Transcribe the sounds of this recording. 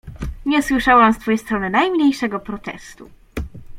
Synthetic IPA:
ɲɛswɘʂawamst̪fɔjejst̪ɾɔnɘnajmɲejʂɛɡɔpɾɔt̪ɛ̰st̪ṵ

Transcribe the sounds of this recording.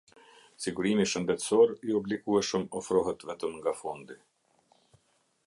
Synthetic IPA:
siɡuɾimiʃənd̪ɛt̪sɔɾiɔblikuɛʃəmɔfɾɔɦɛt̪vɛt̪əmŋɡafɔnd̪i

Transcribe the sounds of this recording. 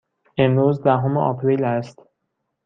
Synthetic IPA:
e̞mɾuːzd̪æɦomeʔɒ̰pʰɾiːlæst̪

